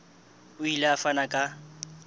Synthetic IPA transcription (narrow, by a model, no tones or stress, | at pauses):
ʊileafanakʼa